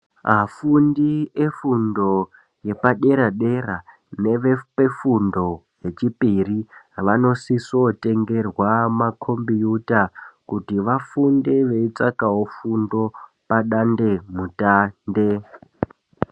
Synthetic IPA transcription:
ɦafundiefundo̞ | je̞paɗe̞ɾaɗe̞ra | neʋepefundo̞ | je̞t͡ʃipiriʋano̞sisote̞ŋɡe̞rwamakʰo̞mbijutakutiʋafundeʋe̞it͡sakaɦofundo̞ | paɗande̞mutande

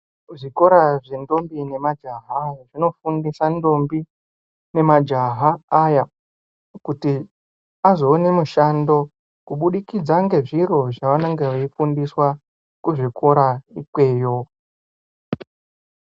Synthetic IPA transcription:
ʐiko̞ɾaʐe̞ndo̞mbine̞mad͡ʒaɦaʐino̞fundisando̞mbi | ne̞mad͡ʒaɦaːja | kuti | azo̞ːne̞muʃando̞ | kuɓuɗikid͡zaŋɡe̞ʐiro̞ʐaʋanaŋɡeʋeifundiswa | kuʐikʰo̞ɾaikwe̞ːjo̞

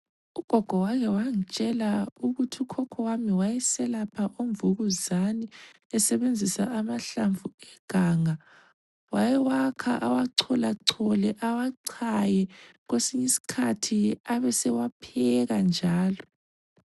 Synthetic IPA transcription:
uɡ̥ʱɔɡ̥ʱɔwakʰɛwaŋ̩t͡ʃʼɛlauɣutʰiukʰɔkʰɔwamiwajɛsɛlapʰaʔoɱvuɣuzani | ɛsɛβend͡zʱisa̰ːmaɬaɱvʱuɛɡ̥ʱaːŋa | wajɛwakʰa̰ʔawaǀʰɔlaǀʰɔlɛʔawaǀʰajɛɣwesiɲisi̥kʰatʰiaβɛsɛwapʰɛɣand͡ʒʱaːlɔ

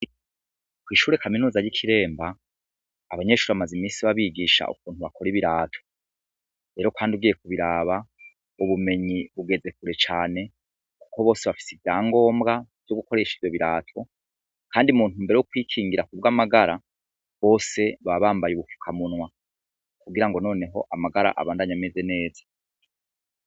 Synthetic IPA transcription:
kwiːʃuːɾe̞kaminuːzaɟikʰiɾe̞ːmbaː | βaɲe̞ʃuːɾiβamazimiːnsiβaβiɡiʃa̰ʔṵk̚uːnhuβakʰo̞ɾiβiɾaːtʰo | ɾe̞ːɾo̞kwaːndiuɡiːje̞k̚uβiɾaːβa | uβume̞ɲiβuɡe̞ze̞kuɾe̞t͡ʃaːne̞ | ku̥ko̞βo̞ːse̞βafi̥sivjaːŋɡo̞ːmbɡav̥joɡuko̞ɾe̞ʃivjo̞βiɾaːtʰo̞ | kʰaːndiumuːntumbe̞ɾejokwiːkʰiːŋɡiɾakubɡamaɡaɾa | βo̞ːse̞βaβaːmbajuβufu̥kʰamunwa | kuɡiɾaŋɡo̞no̞ːne̞ɦo̞ʔamaɡaɾa̰ʔa̰βaːndaɲameze̞ne̞ːzḁ

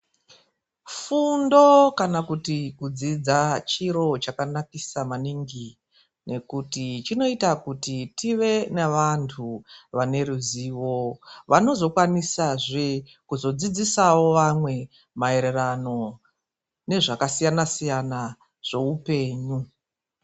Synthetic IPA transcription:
fundo̞kanakutikud͡zid͡zat͡ʃiɾo̞t͡ʃakanakisamaniŋɡi | ne̞kutit͡ʃino̞itakutitiʋe̞neʋantʰuʋane̞ɾuziːʋo̞ʋano̞zo̞kwanisaʐe | kuzo̞d͡zid͡zisawo̞ʋamwe̞ | mae̞ɾe̞rano̞ | ne̞ʐakasijanasijana | ʐ̥e̞upe̞ːɲu

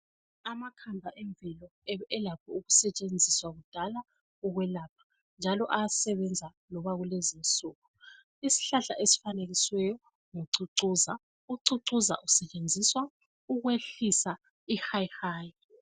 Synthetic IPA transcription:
amakʰambʱaʔɛɱbvilɔɛlapʰɔuɣusɛt͡ʃʼend͡zʱiswaɣud̥ʱala | uɣwɛlaːp̚ʰḁ | nd͡ʒʱalɔʔaasɛβɛnd͡zʱa | lɔβaɣulezint͡sʼuːɣu | isi̥ɬaɬaʔesi̥faneɣiswɛjɔ | ŋuǀuǀuza | uǀuǀuza̰ʔusɛt͡ʃʼend͡zʱiswa | uɣweɬisa | ixajhaːj

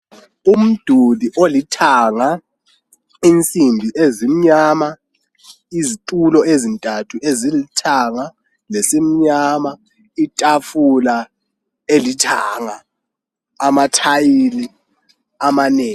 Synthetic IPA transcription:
um̩d̥ʱuliʔolitʰaŋa | int͡sʼimbʱiʔezim̩ɲama | izitʼulɔezintʼatʰuʔezilitʰaŋa | lesim̩ɲama | itʼafula | elitʰaŋaː | matʰajili | amaneːŋ

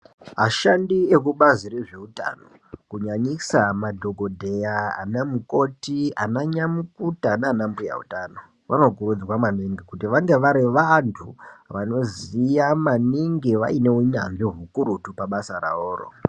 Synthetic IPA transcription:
ɦaʃandiek̬uɓazireʐe̞uta̰no | kuɲaɲisamadʱo̞ɡʱo̞dʱe̞ja̰ːnamuko̞tianaɲamukutanaːnambuja̰ṵtaːno̞ | ʋano̞kuɾud͡zwamaniŋɡikutiʋaŋɡe̞ʋaɾiʋantʰṵʋano̞zijamaniŋɡiʋa̰ine̞uɲa̰nʐiɦukuɾutupaɓasaɾa̰oːro̰

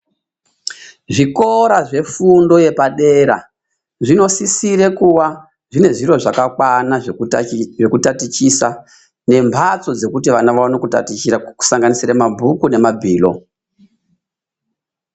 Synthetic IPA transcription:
ʐiko̞ɾaʐe̞fundo̞je̞paɗe̞ɾa | ʐino̞sisiɾe̞kuwa | ʐine̞ʐiro̞ʐakakwana | ʐekutatit͡ʃisa | ne̞mbʱat͡so̞d͡ze̞kutiʋanaʋaʋanokuta̰tit͡ʃiaku̥saŋɡanisiɾamabʱukune̞mabʱiːlo̞̰

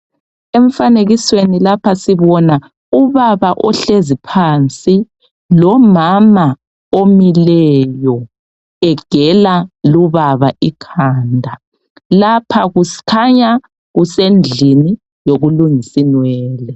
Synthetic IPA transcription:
eɱfaneɣiswenilapʰasiβɔna | uβaβaʔɔɬezipʰaːnt͡sʼi | lɔmama | omilɛjɔ | ɛɡ̥ʱɛlaluβaβaʔikʰaːndʱa | lapʰaɣuskʰaɲa | ɣusend͡ɮʱini | joɣuluŋisinwɛːlɛ

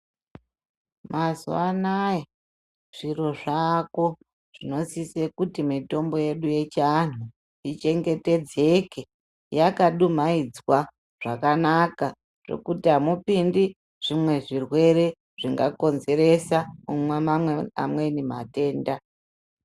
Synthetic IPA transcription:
mazṵanaja | ʐ̥iro̞ʐako̞ | ʐ̥ino̞sisekutimito̞mbo̞je̞ɗuje̞t͡ʃan̤u | it͡ʃe̞ŋɡe̞te̞d͡ze̞ke | jakaɗumaid͡zwa | ʐ̥akanaka | ʐ̥ḛkutiɦamupindi | ʐ̥imwe̞ʐirwe̞ɾe̞ | ʐ̥iŋɡako̞nze̞ɾe̞samumwamamwea̰mwe̞nimate̞ːnda

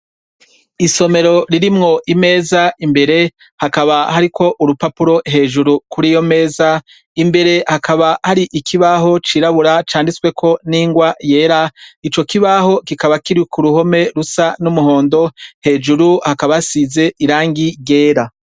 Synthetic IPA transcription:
iso̞me̞ɾo̞ɾiɾimŋo̞ʔime̞ːzaimbe̞ɾe̞ | hakaβahaɾikʰo̞ʔuɾupapuɾo̞ɦe̞ːʒuɾukuɾijo̞me̞ːza | imbe̞ɾe̞hakaβahaɾiʔikʰiβaɦo̞t͡ʃiɾaβuɾat͡ʃaːndiswe̞kʰo̞niːŋɡwaje̞ːɾait͡ʃo̞kiβaho̞kikaβakiɾikuɾuho̞me̞ɾusanumuɦo̞ːndo̞he̞ːʒuɾuhakaβasize̞iɾaːŋɡiɡe̞ːɾa

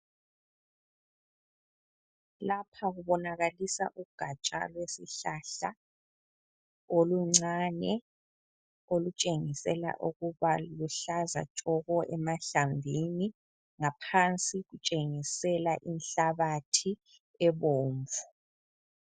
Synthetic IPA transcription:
lapʰaɣuβɔnaɣalisa̰ʔuɡ̥ʱat͡ʃʼa̰lwesiɬaɬa | oluŋ͡ǀanɛ | olut͡ʃʼeŋisɛla̰ʔuɣuβaluɬaza̰t͡ʃʼɔɣɔʔɛmaɬambʱini | ŋapʰant͡sʼiɣut͡ʃʼeŋisɛlaʔinɬaβatʰi | ɛβoːɱvu

